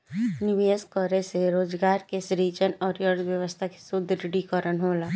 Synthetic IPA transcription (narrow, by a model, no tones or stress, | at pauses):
nɪʋeːskɔɾeseɾoːd͡ʒɡaːɾkesɾit͡ʃənɔːɾjəɾd̪ʋjəʋəst̪ʰake̥sʊd̪ʱːɾɪɖikəɾənɦoːlaː